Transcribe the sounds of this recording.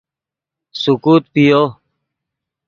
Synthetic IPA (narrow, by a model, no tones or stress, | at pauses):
sukuːt̪̚pijoː